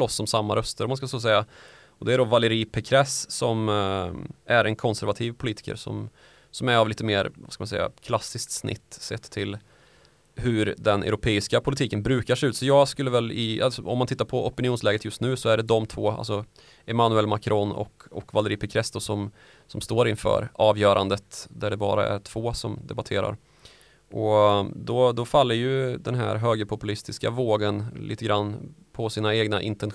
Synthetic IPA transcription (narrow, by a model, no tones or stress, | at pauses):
lɔsːɔmsamːaɾœst̪əɾɔmanskasoːs̬ɛjːa | ɔd̪ɛæɖɔvalːəɾiːpʰɛkʰɾɛssɔm | ʔæɾʔɛnkʰɔnsæɾvat̪ʰiːvpʰʊliːt̪ɪ̥kə̰ɾsɔ̰m | sɔmæɾavliːt̪əmeːɾvaskamansɛ̰jːa̰kʰlasːɪskt̪snʔɪ̰t̪ːsɛ̰t̪ʰːɪl | hɵɾd̪ɛnʔɛ̰ɾʊpʰeːɪskapʰʊlɪt̪ʰiːkənbɾʉ̟ːkaʂɛʉt̪sɔjɑːɡskɵlːəvɛlɪa̰sɔɔ̰mːant̪ʰɪt̪ːaɾpʰɔɔpɪnɪuːnslɛːɡət̪jɵst̪nʉ̟ːsɔæɖɛd̪ɔmt̪ʰvoːa̰lsɔ | ɛmanʉɛlmakʰɾʔonɔ̰kɔkvalːəɾɪpʰɛkʰɾɛst̪ʊsɔm | sɔmst̪oːɾɪnfœ̰ːɾɑːvjœːɾʔand̪ət̪d̪æɖɛbɑ̰ːɾa̰æ̰ʈʰv̥oːsɔmd̪ɛbat̪ʰḛːɾa̰ɾ | ʔɔd̪ɔd̪ɔfalːəjɵd̪ɛnɦæ̰ɾɦøːɡəɾpʰʊpɵlɪst̪ɪska̰voːɡənlḭːt̪əɡɾanːpʰɔsiːnaeːɡnaʔɪ̰nt̪ɛn